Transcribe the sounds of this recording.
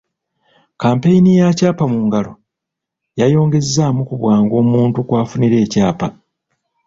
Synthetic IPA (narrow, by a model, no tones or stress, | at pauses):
kaːmpejinijacaːpamuŋɡalo̞ | jajo̞ːŋɡe̞zːaːmukuβwaːŋɡo̞ːmuːntukwaːfuniɾe̞ːcaːpa